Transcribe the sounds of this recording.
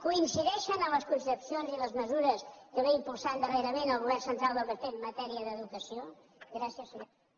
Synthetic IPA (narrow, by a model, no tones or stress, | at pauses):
kuinsiðɛʃənəmləskunsəpsionziləzməzuɾəskəβeimpulˠsand̪əreɾəmenəlˠɣuβɛrsənt̪ɾalˠd̪əlˠβət̪emət̪ɛɾiəðəðukəsio | ɡɾasiəsuð